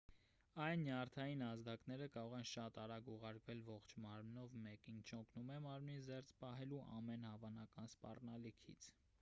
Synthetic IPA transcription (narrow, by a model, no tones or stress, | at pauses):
ɑjnːjɑrt̪ʰɑjinɑzd̪ɑknɛɾəkɑɾɔʁɛnʃɑt̪ɑɾɑɡuʁɑɾkvɛlvɔχt͡ʃʰmɑɾmnɔvmɛkint͡ʃʰɔkʰnumɛmɑɾmnizɛɾt͡sʰpɑɦɛluʔɑ̰mɛnhɑvɑnɑkɑnspɑ̰rnɑlikʰḭt͡sʰ